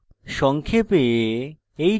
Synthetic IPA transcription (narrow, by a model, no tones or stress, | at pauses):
ʃɔŋkʰepe | ej